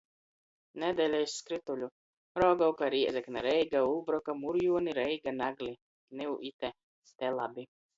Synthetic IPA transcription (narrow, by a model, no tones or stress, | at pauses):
nɛd̪ɛlʲɛjsːkɾit̪ulʲu | ɾɔɡawkaɾiɛzɛknaɾɛjɡaulˠbɾɔkamuɾjuɔniɾɛjɡanaɡlʲi | nɛuʔit̪ɛ | st̪ɛlˠabi